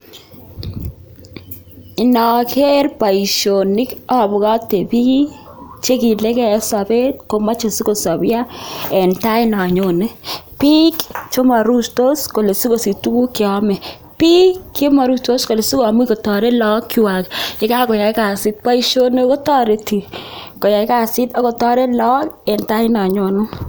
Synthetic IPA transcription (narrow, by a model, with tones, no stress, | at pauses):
ɪ˨nɔ˨kʰe˦ɾpa˨i˨ʃo˨nɪ˦kɔ˦˨bʊ˨ɣa˦te˨bi˦t͡ʃe˦ki˨le˦kɛ˦sa˨be˦t̚ko˨ma˦t͡ʃe˨si˦ko˨sɔ˨bja˦ɛ˨nta˦ɪ˦nɔ˨ɲo˨ne˦pi˦kt͡ʃo˦ma˨ɾu˦sto˦sko˨le˨si˦ko˨si˨tu˦ku˦ke˨ɔ˦mɛ˨ | pi˦kːe˦ma˨ɾu˦sto˦sko˨le˨si˦ko˦a˨m˦i˦ko˨tɔ˨ɾe˦lɔ˦kːi˨wa˨kɪ˦ka˦ko˨ja˨ɪ˦ka˨si˦t̚pa˦i˦ʃo˦ne˦ko˦tɔ˦ɾe˨˦ti˨ko˨ja˨jka˦˨sɪ˦tɔ˦ko˨tɔ˦ɾe˦lɔ˦kɛ˨nta˦i˦nɔ˨ɲo˨nʊ˦